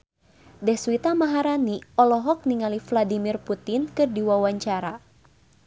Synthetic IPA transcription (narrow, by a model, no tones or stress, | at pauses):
dɛhswit̪amaɦaɾaniɔlɔɦɔk̚niŋalifladimirput̪inkɨrdiwawaɲt͡ʃaɾa